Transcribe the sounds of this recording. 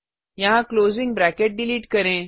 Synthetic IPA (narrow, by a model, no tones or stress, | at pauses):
jaɦãklozĩŋɡ̚bɾækeʈ̚ɖiliːʈkəɾẽ